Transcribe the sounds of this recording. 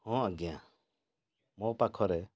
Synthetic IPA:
hɔ̃aɡɛjã̰ | mɔpakʰɔɾɛ

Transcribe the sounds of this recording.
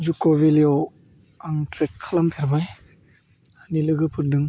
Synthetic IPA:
zukovilio | aŋtʰɾekʰːalamtʰaɾbaj | anilɯɡɯpʰɯɾ̚dɯŋ

